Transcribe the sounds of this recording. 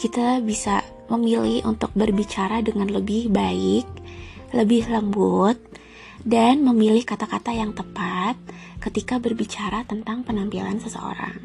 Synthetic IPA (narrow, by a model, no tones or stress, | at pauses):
kit̪abisa̰ | məmilɪhʔunt̪ʊk̚bərbit͡ʃaɾadəŋanləbɪhbaɪk̚ləbɪhləmbut̪̚ | danməmilɪhkat̪akat̪ajaŋt̪əpat̪̚ | kət̪ikabərbit͡ʃaɾat̪ənt̪aŋpənampilansəsə̰o̰ɾa̰ŋ